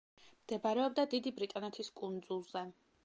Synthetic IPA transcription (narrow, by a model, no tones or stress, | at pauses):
md̪̥ɛbaɾɛɔb̚d̪ad̪id̪ibɾit̪ʼɔnɛt̪ʰiskʼund̪zulˠzɛ